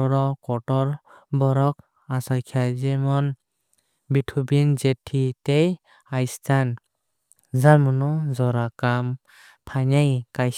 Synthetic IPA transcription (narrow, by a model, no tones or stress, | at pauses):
ɔɾɔkɔʈɔɾ | bɔɾɔk̚ | asajkʰajzemɔn | bitʰubind͡ʒetʰitej | ajstʰan | zamɔnɔzɔɾakam | pʰaɲajkaj